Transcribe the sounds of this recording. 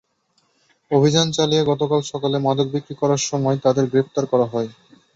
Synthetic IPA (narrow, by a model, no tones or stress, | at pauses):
obʱid͡ʑant͡ɕalijeɡɔt̪okalʃɔkalemad̪od̪̚bikɾikɔɾaɾʃɔmɔet̪ad̪eɾɡɾept̪aɾkɔɾaɦɔe